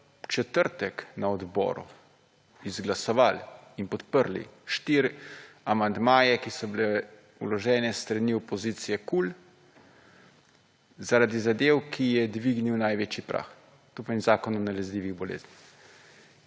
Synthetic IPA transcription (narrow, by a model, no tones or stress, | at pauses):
t͡ʃɛt̪əɾt̪ɛknaɔd̪bɔ̰ːɾṵ | izɡlasɔʋalinpɔt̪pəɾlḭʃt̪iɾamand̪maːjɛkisɔbile | ulɔʒɛːnɛst̪ɾaniɔpɔziːt̪sijɛkul | zaɾad̪izad̪eːwkʰijɛd̪ʋiɡniwnajʋeːt͡ʃipɾʔa̰ːx | t̪opanzaːkɔnɔnalɛzlʲiːʋiɣbɔlḛːznix